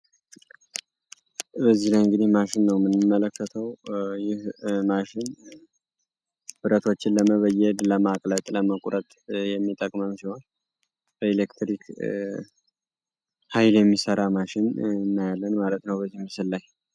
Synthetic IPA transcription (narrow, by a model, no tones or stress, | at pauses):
bəzːihlajɨŋɡɨd̪ihmaʃɪnːəwmɨnɨmːələkːət̪ʰəwjɪhmaʃɪn | b̥ɨɾət̪ʰo̞t͡ʃːɪnləməβəjɛd̪ləmakʼlət̪ʼləməkʼuɾət̪ʼjɛmːit̪ʼəkʼməmsiho̞n | b̥əelekt̪ʰɾikʰ | hajljɛmːisəɾamaʃɪnnːajalːənmalət̪nəwbəzːihmːɨsɨlːaj